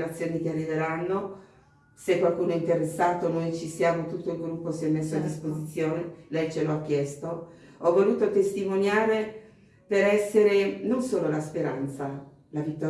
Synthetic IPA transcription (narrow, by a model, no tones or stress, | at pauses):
ɾat̪sjoːnik̟earːid̪eɾanːo | sekːwalkuːnoɛint̪eɾesːaːt̪onojt͡ʃisjaːmot̪ut̪ːoilɡɾupːosiɛmːesːoad̪ːispozit̪sːjoːnelɛjt͡ʃeloakːjɛst̪o | ɔvːoluːt̪ot̪est̪imonjaːɾe | peɾɛsːeɾenonsoːlolaspeɾa̰nt̪sa | lavit̪ːɔ